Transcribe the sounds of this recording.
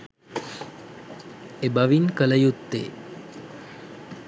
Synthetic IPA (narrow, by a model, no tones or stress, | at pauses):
ebəʋinkələjut̪ːḛː